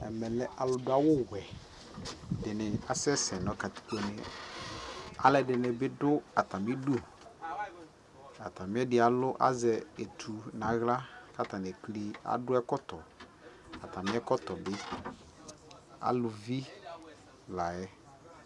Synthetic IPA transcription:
ɛ̰˨mɛ˨lɛ˦ʔa˨lʊ˨dʊ˦a˦wʊ˦wɛ˨ | dɪ˨nɪ˨a˨sɛ˦sɛ˨nɔ̃˦ka˨t̪i̥˨kɔ˨nɪ˨ | a̰˨lɛ˨dɪ˨nɪ˨bɪ˦dʊ˦a˨ta˨mɪ˦du˦ | a˨ta˨mɪ̃˦ɛ˦dɪ˨˦a˨lʊ˦ʔa̰˦zɛ˨e˨tʰu˨na˨ɣla˦ka˦ta˨n˨ɛ˨kli˨a̰˨dʊ˦ɛ˦kɔ˦tɔ˨ | a˨t̪a˨mɪ˦ɛ˦kɔ˦tɔ˨bɪ˦ | a̰˨lʊ˨vi˦ | la˨jɛ˦

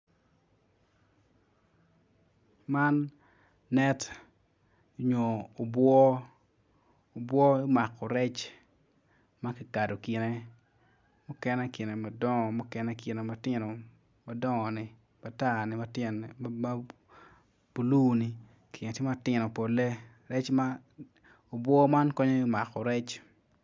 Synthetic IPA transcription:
ma˦nː | ɛ˦t | ɲoː˨bwɔ˦ | o˨bwɔ˦ɪ˦ma˨kɔ˨ɾɛ˦t͡ʃ | ma˦kɪ˨ka˨do˨kɪ˨nɛ˦ | mʊ˦kɛ˦nɛ˦ki˨ne˨ma˨dɔ˦ŋɔ˨mʊ˦kɛ˦nɛ˦kɪ˨ne˨ma˨tɪ˦nɔ˨ | ma˨dɔ˦ŋɔ˨nɪ˨ | ma˨ta˦nɪ˨ma˦tɪ˦nma˦ | b̥u˨lu˦˨ni˨ | kʰɪ˨ne˨tjɪ˦ma˦tɪ˦nɔ˨po˨le˦ | ɾɛ˦t͡ʃma˦ | o˨bwɔ˦ma˦nkɔ˦ɲo˦i˦ma˨kɔ˨ɾɛ˦t͡ʃ

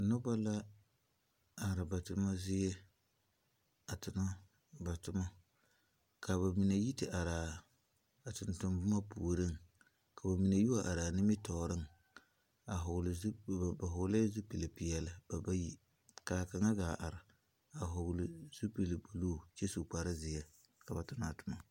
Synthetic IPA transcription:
nʊ˦ba˦la˦ | a˨ɾɪ˨ba˨tʊ˨ma˦zɪ˦jɛ˦ | a˨tɪ˨na˦ | ba˨tʊ˦ma˦ | kʰa˨ba˨mi˨na˨ji˦tɪ˨ʔa˨ɾaː˨ | tʊ˨ntʊ˨mbʊ˦ma˦pu˨ɾɨ˦ŋ | ka˨ba˨mi˨na˨ju˦wa˨ʔa˨ɾaː˨nɪ˦mɪ˦tɔ˨ɾɨ˦ŋ | a˨ɦʊ˨ɡlba˨ɦʊ˨ɡla˦zu˦pi˨li˨pi˨jɛ˦la˦ba˨ba˦ji˦ | ka˨ka˨ŋa˦ɡaː˨ʔa̰˨ɾɪ˨ | a˨ɦʊ˨ɡlɪ˨zu˦pi˨lɨ˨bu˨loː˦˨t͡ʃe˦su˨k͡pa˨ɾɨ˦zɪ˨jɛ˦ | ka˨ba˨tʊ˦na˦˨tʊ˨ma˦

